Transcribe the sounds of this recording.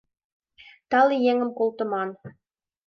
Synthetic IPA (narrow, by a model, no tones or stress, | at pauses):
t̪ɑlˠijeŋɘ̆mkolˠt̪ɤ̆mɑn